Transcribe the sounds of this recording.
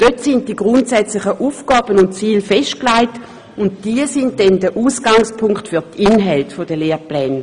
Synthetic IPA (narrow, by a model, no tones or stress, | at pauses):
d̥øtsɪntd̥iɡʁʊntsɛt͡slɪχəʔuːfɡ̥ɑːbənʊntt͡siːlfɛʃt̚klaɪt | ʊnt̚d̥iːəsɪntdɛndəʔuːsɡ̥aŋspʰʊŋktfʏɐtʰinɦɛltfodəleːʁplɛːn